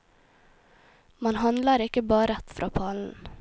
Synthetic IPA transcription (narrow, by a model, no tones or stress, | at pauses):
mɑnhɑnlɑɾɪkəbɑːɾəɛt̪fɾʔɑ̰ːpʰɑːln̩